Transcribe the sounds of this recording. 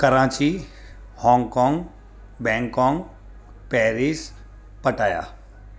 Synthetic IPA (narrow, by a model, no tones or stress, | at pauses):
kɐɾãːt͡ɕi | hɔ̃ːŋkɔ̃ːŋɡ | bɛ̃ːŋkɔ̃ːŋɡ | pɛːɾiːs | pɐʈaːja̰ː